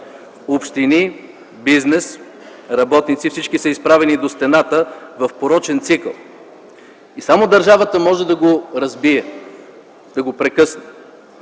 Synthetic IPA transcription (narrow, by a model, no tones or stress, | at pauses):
opʃt̪ini | biznɛs | ɾɐbɔt̪nit̪sifsit͡ʃkisəispɾavɛnid̪ost̪ɛnat̪əvɐfpoɾɔt͡ʃɛnt̪sikəlˠ | isamod̪ɐɾʒavət̪əmɔʒɛd̪ɐɡoɾɐzbiɛ | d̪̥ɐɡopɾɛkɤsnɛ